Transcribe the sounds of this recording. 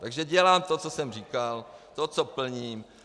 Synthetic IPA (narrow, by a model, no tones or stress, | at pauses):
t̪aɡʒɛɟɛlaːmt̪ot͡sosɛmr̝iːkalt̪ot͡sopl̩ɲiːm